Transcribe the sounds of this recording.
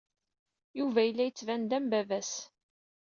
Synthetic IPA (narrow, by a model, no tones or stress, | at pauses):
juvæjəlːæjət͡sːvænd̪æmbævæs